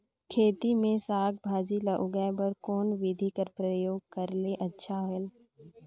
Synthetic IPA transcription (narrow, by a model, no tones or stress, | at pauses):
kʰeːt̪imẽsaːɡ̚bʱaːd͡ʒilɐʔʊɡajbəɾkoːnʋɪd̪ʱikəɾpɾəjoːɡ̚kɐɾleʔɐtːʃʰaɦoel